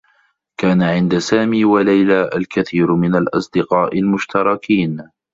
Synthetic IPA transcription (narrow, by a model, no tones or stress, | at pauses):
kaːnaʕɪnd̪asaːmiːwalajlaːʔalkaθiːɾmɪnalʔɑsˤd̪ɪqɑːʔɪlmʊʃt̪ɑɾˤɑkʰiːn